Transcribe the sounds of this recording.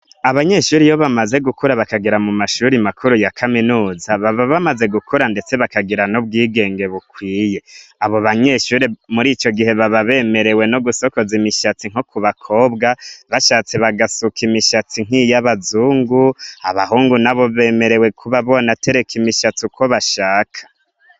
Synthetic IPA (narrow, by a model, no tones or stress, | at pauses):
aβaɲe̞ʃuːɾijoβamaze̞ɡukuɾaβakaɡiɾamumaʃuɾimakʰuɾujakʰaminuːzaβaβaβamaze̞ɡukʰuɾande̞t͡se̞βakaɡiɾanob̚ɡiːɡe̞ːŋɡe̞βukwiːje̞aβoβaɲe̞ʃuːɾimuɾit͡ʃo̞ɡihe̞βaβaβe̞me̞ɾe̞we̞noɡuso̞ko̞zimiʃat͡siŋ̥okuβakʰo̞ːbɡaβaʃat͡seβaɡasukʰimiʃat͡siŋ̥ijaβazuːŋɡuaβaɦuːŋɡunaβo̞βe̞ːme̞ɾe̞we̞kʰuβaβo̞nate̞ɾe̞kʰimiʃat͡sukwoβaʃaːkʰḁ